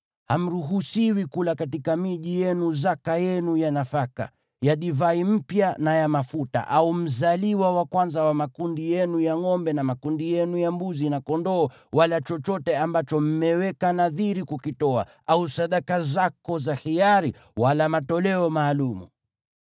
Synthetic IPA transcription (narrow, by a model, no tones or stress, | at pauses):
ham̩ɾuɦusiwikulakatikamiʄijɛnuzakajɛnujanafaka̰ | jaɗivaim̩pjanajamafuta̰ʔaum̩zaliwawakwanzawamakundijɛnujaŋɔmbɛnamakundijɛnujambuzinakɔndɔː | walat͡ʃɔt͡ʃɔtɛambat͡ʃɔm̩mɛwɛkanaðiɾikukitɔa̰ | ausaɗakazakɔzaxiaɾi | walamatɔlɛɔmaːlumṵ